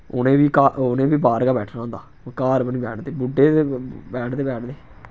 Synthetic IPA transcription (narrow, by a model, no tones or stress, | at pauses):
ʊ̰nẽːʋiːkaːonẽːʋiːbaːɾɡaːbɛːʈʰnãːnd̪aː | kaːɾbəniːbɛːʈʰd̪eːbʊɖːeːbɛːʈʰd̪eːbɛːʈʰd̪eː